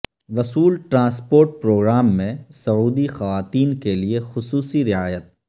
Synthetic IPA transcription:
ʋɐsuːlʈɾãːspoːɾʈ̚pɾoːɡɾaːmːẽsɐuːd̪ixɐʋaːt̪iːnkeliexʊsuːsiɾɪaːjət̪̚

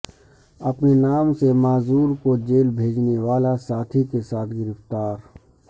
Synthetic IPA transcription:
ɐpnenaːmsemaːzuːɾkod͡ʒeːlbʱeːd͡ʒneʋaːlasaːt̪ʰikesaːt̪ʰɡɪɾɪft̪aːɾ

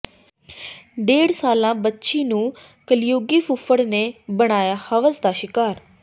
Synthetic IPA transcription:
ɖeːɽsaːlãːbətːʃiːnũː | kəlɪjoːɡiːfʰʊfʰəɽneːbəɽ̃aːjaːhəʋəsd̪aːʃɪkaːɾ

